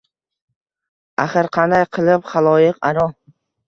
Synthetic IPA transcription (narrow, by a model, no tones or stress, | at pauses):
aχɨɾqʰɑnd̪ajqʰɨlˠɪpχalˠɒjɪqaɾɒ